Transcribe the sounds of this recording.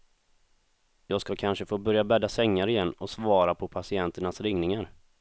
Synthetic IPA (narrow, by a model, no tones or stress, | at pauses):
jɑːɡskakʰanʂəfoːbœɾjabɛd̪asɛŋːaɾɪjɛnːɔsvɑːɾapʰɔpʰasɪɛnt̪əɳasɾɪŋnɪŋaɾ